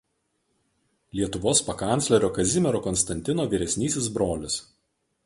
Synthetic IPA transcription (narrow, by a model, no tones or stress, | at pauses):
lʲiɛt̪ʊʋoːspɐkɐnʲt̪sʲlʲɛɾʲoːkɐzʲɪmʲɛɾoːkɔnst̪ɐnʲt̪ʲɪnoːʋʲiːɾʲɛsʲnʲiːsʲɪsbɾoːlʲɪs